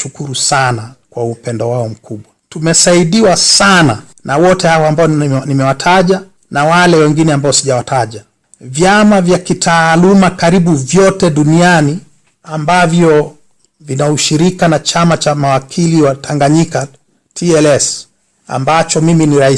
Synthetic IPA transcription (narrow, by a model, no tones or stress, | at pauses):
ukuɾusanakwaupɛndɔwaɔm̩kʰuɓwatumɛsaiɗiwasana | nawɔtɛhawɔambaɔnimɛwatʰaʄa | nawalɛwɛŋɡinɛambaɔsiʄawatʰaʄa | vjamavjakitʰaːlumakaɾiɓuvjɔtɛɗuniani | ambavjɔ | vinauʃiɾikanat͡ʃamat͡ʃamawakʰiliwatʰaŋɡaɲika | tʰiɛlɛs | a̰mbat͡ʃɔmiminiɾai